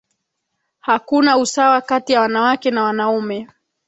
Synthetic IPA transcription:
hakunausawakatijawanawakɛnawanaumɛ

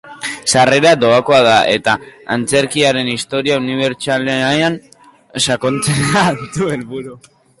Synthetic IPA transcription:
sare̞ɾad̪o̞ako̞aðae̞t̪aant͡se̞ɾkiaɾe̞nist̪o̞ɾiauniβ̞e̞ɾt͡saleaean | sako̞nt͡senat̪ue̞lβuɾu

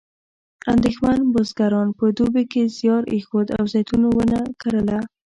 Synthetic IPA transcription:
and̪exmanbozɡaɾɑnpəd̪ubekezjɑɾʔexod̪a̰wzajt̪unowənakaɾəla

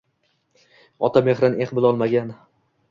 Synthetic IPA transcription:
ɒt̪ʰameχɾaneqbɪlˠɒlˠmaɡʲan

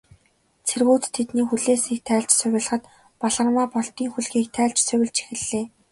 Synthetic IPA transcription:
t͡sʰerɣuːt͡st̪ʰːet̪niːxuɮeːsiːk̚t̪ʰæːɮt͡ɕsʊwʲɪ̆ɮə̆χə̆t̪ | pɔɮə̆rmaːpɔɬt̪iːŋxuɮɣiːk̚t̪ʰæːɮt͡ɕsʊwʲɪ̆ɮt͡ɕʰe̥xɘ̆ɮːeː

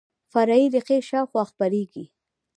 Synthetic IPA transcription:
faɾɑiɾɪqeʃɑxwaxpaɾeɡi

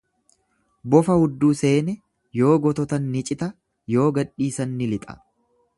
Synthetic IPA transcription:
bɔfɐhʊd̪ːuːse̞ːnɛ | jo̞ːɡɔt̪ɔt̪ɐnːɪt͡ʃʼɪt̪ɐ | jo̞ːɡɐᶑːiːsɐnːɪlɪt̪ʼɐ̥̰

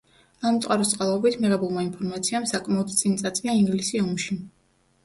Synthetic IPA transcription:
amt̪sʼqʼaɾɔst̪sʼqʼalˠɔbit̪ʰmiʁɛbulˠmainpʰɔɾmat̪sʰiamsakʼmaɔd̪t̪sʼint̪sʼat̪sʼviaiŋɡlisiɔmʃi

